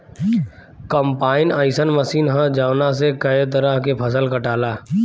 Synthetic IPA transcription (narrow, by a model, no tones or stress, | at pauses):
kəmpaːɪnaːɪsənməsiːnɦə̃d͡ʒaːwnas̬ekɐet̪̬əɾəɦkepʰɐsəlkəʈaːlaː